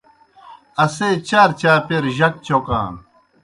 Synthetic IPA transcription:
ɐseːt͡ɕaːɾt͡ɕaːpeɾʑɐk̚t͡ɕokã̰ː

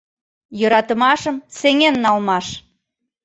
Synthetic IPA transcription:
jɤ̆ɾɑt̪ə̆mɑʃəmseŋenːɑlmɑʃ

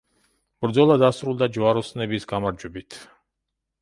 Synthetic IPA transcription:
b̥ɾd̪zɔlˠad̪asɾulˠd̪ad͡ʒvaɾɔsnɛbisɡamaɾd͡ʒwɛbit̪ʰ

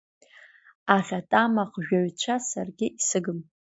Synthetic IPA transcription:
aχʲatʼamaqʒᶣaɥt͡ʃʷʰasarɡʲɪisɨɡɨm

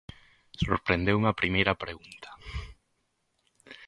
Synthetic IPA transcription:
soɾpɾend̪ewmɐpɾimejɾɐpɾeɣunt̪ʰɐ̥

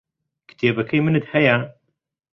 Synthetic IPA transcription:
kt̪ʰeːbɐkʰɐjmɨnɨt̪hɐja

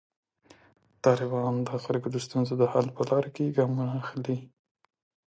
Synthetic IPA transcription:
t̪ɑlɪbɑnd̪əxalɡod̪ost̪unzod̪əhalpəlɑɾkeɡɑmunaːxli

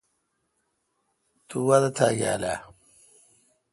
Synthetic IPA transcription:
t̪uwad̪at̪ʰa̰ja̰la̰

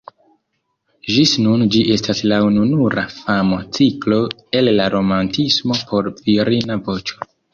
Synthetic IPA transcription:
ʒisnund͡ʒiʔe̞staslaununuɾa̰famo̞t͡siklo̞ | e̞lːaɾo̞mantismo̞pʰo̞ɾviɾinavo̞t͡ʃo̥

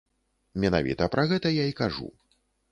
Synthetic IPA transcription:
mʲɛna̰vʲḭt̪ɐpɾʔɐɣɛt̪ɐjaikaʐṵ

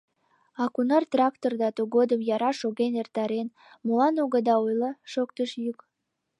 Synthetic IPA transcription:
ɑkunɑrt̪rɑkt̪ord̪ɑt̪uɣod̪əmjɑɾɑʃoɣenert̪ɑɾen | mulɑnoɣəd̪ɑujləʃokt̪əʃjuk

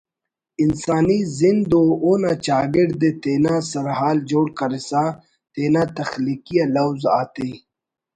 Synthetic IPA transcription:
ɪnsaːnizind̪ooːnat͡ɕaːɡiɖd̪et̪eːnãsɐɾɦaːld͡ʑoːɽkɐɾisa | t̪eːnat̪ɐxliːkijalɐwza̰ːt̪e

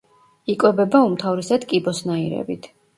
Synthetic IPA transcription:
ikʼwɛbɛbaumt̪ʰavɾisad̪kʼibɔsnaiɾɛ̰bḭt̪ʰ

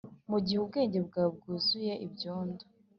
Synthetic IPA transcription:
muɟihub̚ɡe̞ːɲɟe̞b̚ɡaːb̚ɡuːzuje̞ʔibjoːndo̥

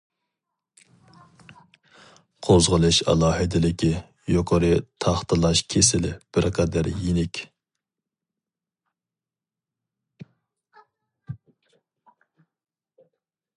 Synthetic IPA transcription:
qʰozʁəlˠɨʃɑ̰lˠɑːɦɨd̪ɪlɪkʲʰi | joqʰɑɾɨt̪ʰɑχt̪ʰɨlˠɑʃkʲʰesɪlɪb̥ɪɾqʰɑd̪æɾjinɪkʲʰ

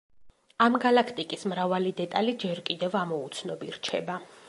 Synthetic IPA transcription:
amɡalakʰt̪ʼikʼismɾavalid̪ɛt̪ʼalid͡ʒɛɾkʼid̪ɛvamɔut̪sʰnɔbiɾt͡ʃʰɛba

